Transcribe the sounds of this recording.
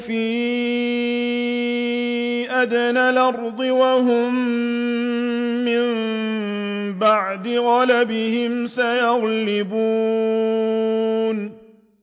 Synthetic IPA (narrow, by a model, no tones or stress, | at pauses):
fiː | ʔad̪analʔɑɾˤd̪ˤɨwaɦʊm | ɪm | baʕd̪ɪɣɑlabɪhɪmsajɑɣlɪbuː | n